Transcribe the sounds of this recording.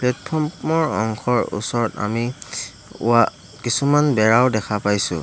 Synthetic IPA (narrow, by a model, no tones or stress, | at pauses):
plɛt̚pʰɔɹmmɔɹɔ̰ŋxʰɔɹṵsɔɹɔta̰mi | ʊ̰a | kisumanbɛɹaʊdɛkʰapajsʊ̰